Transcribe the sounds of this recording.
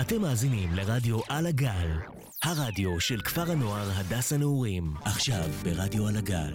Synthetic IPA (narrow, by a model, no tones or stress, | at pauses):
ate̞mːaːzinimleʁadjo̞ʔalaɡal | haʁadjo̞ʃe̞lkfaʁano̞aʁɦadashaneuʁimaχʃavbe̞ʁadjo̞alaɡa̰l